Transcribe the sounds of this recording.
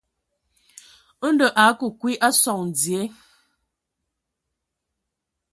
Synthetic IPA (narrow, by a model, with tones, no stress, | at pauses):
n˦də˨ʔa˨˦ku˨kwi˦ʔa˦sɔ˨ŋn˨d͡zje˨˦